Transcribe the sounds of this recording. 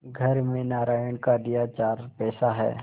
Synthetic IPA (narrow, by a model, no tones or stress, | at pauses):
ɡʱɐɾmẽnaːɾaːjəɳ̃kad̪ɪjat͡ʃaːɾpɛːsaɦɛ̰ː